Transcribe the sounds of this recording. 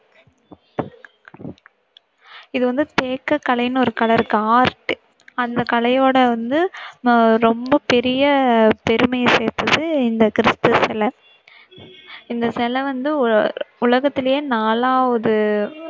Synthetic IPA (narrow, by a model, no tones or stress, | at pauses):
ɪðɯʋɐnd̪ɯt̪eːkːɐkːɐlɐjɪnɔɾɯkɐɭɐɾɯkːɯaːɾʈːɯ | ɐnd̪ɐkɐlɐjoːɽɐʋɐnd̪ɯ | ɾɔmbɐpɛɾɪjɐpɛɾɯmɐjɐseːɾt̪ɐðɯɪnd̪ɐkɪɾɪst̪ɯsɛlɐ | ɪnd̪ɐsɛlɐʋɐnd̪ɯʊlɐɣɐt̪ːɪlɐjeːnaːlaːʋɐðɯ